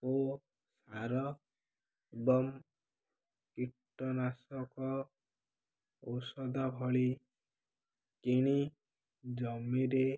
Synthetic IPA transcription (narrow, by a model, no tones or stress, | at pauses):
o | saɾɔ | ebɔm | kiʈːɔnasɔkɔ | osɔd̪abʱɔɭi | kiɽ̃i | d͡ʒɔmiɾe